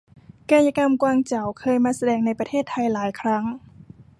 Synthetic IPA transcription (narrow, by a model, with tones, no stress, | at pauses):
kaː˧ja˧ka˧mkwaː˧ŋt͡ɕa˨˩wkʰɤː˧jmaː˧sa˧dɛː˧˩ŋna˧jpɾa˧t̪ʰeː˥˩t̪ʰːa˧jlaː˩˦jkʰɾa˦˥ŋ